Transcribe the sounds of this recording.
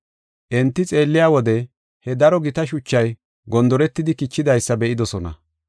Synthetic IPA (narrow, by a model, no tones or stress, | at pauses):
ʔɛnt̪ːɪt͡sʼe̞ːlːɪjaːwɔd̪ɛ | hɛd̪ɐɾɔɡɪt̪ɐʃʊt͡ʃːɐj | ɡɔnd̪ɔɾɛt̪ːɪd̪ɪkɪt͡ʃːɪd̪ɐjsːɐbɛʔɪd̪ɔsɔnɐ̰